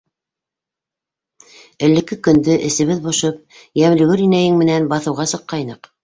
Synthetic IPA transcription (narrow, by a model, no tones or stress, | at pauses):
ɘ̆lːɘ̆kɘkɵ̆nd̪ɵʔɘ̆sɘ̆βɘðbŏʃɤp̚ | jæmlɘ̆ɡɵɾinæjɘŋmɘ̆nænbɑθɤ̆wʁɑsɤ̆qːɑjnɤq